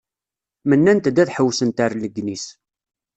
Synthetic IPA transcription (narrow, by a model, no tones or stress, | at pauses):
mənːænt̪d̪æθħəwːsənt̪aɾləɡnis